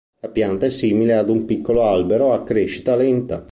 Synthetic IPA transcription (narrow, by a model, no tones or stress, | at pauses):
lapjant̪aɛsːiːmilead̪umpikːoloalbeɾoakːɾeʃːi̥t̪alɛnt̪a